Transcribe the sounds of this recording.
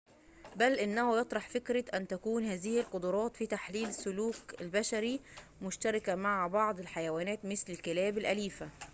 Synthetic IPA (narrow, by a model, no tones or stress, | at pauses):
bælʔɪnːæhʊjɑt̪ˤɾˤɑħfɪkɾɪʔænt̪ækuːnhæːzɪhɪlqod̪ʊɾˤɑːt̪fiːt̪aħliːlsːʊluːkɪlbæʃæɾimʊʃt̪ɑɾˤɑkæmaʕbɑʕd̪ˤɪlħajæwæːnæːt̪mɪslɪlkɪlæːbɪlʔæliːfæ